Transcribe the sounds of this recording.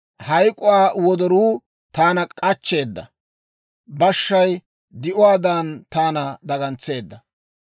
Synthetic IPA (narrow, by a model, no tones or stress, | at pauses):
hɐjkʼʊwaːwɔd̪ɔɾuː | t̪aːnɐkʼɐt͡ʃːe̞ːd̪ːɐ̰ | bɐʃːɐj | d̪ɪʔʊwaːd̪aːnt̪aːnɐd̪ɐɡɐnt͡sːe̞ːd̪ːɐ